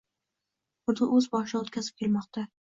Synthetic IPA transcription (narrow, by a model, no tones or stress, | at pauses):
χʊɾd̪ʊʔɵzbɒʃɪd̪aot̪kʲʰazɪp̚kʲʰe̞lˠmɒqt̪a